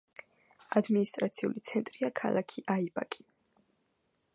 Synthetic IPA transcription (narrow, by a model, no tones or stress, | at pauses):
ad̪minist̪ʼɾat̪sʰiṵlit̪sʰɛnt̪ʼɾiakʰa̰lˠakʰiʔaibakʼi̥